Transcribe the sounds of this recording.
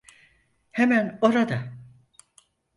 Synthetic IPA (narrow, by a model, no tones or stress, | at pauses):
hemæno̞ɾad̪a